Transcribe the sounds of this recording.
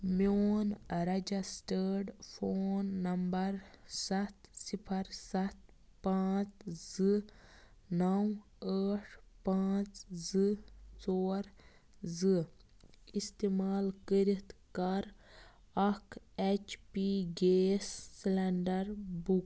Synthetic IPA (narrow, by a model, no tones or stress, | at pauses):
moːnɾɐd͡ʒɐsʈəɖpʰoːnːɐmbɐɾsɐt̪sipʰɐɾsɐt̪ | pãːt͡szɨ | nɐw | aːʈʰpãːt͡szɨt͡soːɾ | zɨ | ist̪eːmaːlkəɾit̪kɐɾ | ɐkʰ | et͡ʃpiɡeːsːlɛɳɖɐɾbuk